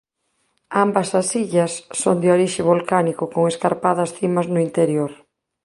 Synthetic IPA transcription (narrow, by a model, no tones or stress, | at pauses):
ambɐsɐsiʎɐsːoŋd̪ɪoɾiʃɪβ̞olkanikʊkoŋeskaɾpaðɐsθimɐznʊint̪eɾjoɾ